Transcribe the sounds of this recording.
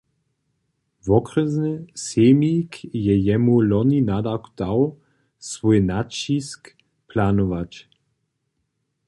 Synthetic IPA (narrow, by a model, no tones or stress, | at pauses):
vɔkrəznɛsemikjɛjɛmulɔninad̪akd̪̥aw | svɔjnat͡ʃisk | planɔvat͡ʃ